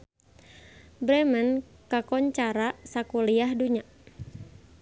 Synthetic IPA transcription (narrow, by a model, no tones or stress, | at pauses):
bɾɛmənkakɔɲt͡ʃaɾaʔsakuliahduɲa